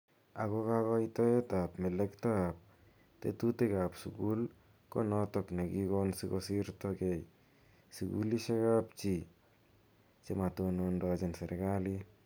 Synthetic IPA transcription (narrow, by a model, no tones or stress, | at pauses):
aɡoɡaɡɔajtɔetapmelektaap̚ | tḛtuteɡapsuɡul | konɔtɔkneɡiɡɔnsiɡosiɾtoɡej | siɡṵliseɡap̚t͡ʃi | t͡ʃematunondɔd͡ʒenseɾʔeɡali